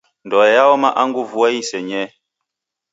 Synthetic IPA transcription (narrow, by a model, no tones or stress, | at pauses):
ndɔjawɔmaʔaŋɡuvuaisɛɲɛ